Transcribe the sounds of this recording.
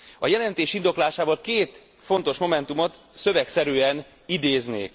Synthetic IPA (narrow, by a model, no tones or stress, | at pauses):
ɒ̰jɛlɛnt̪eːʃind̪o̞klaːʃaːvɒlkeːt̪ | fo̞n̪t̪o̞ʃmo̞mɛnt̪umo̞t̪ | sø̞vɛksɛɾyːɛn | id̪eːznḛːk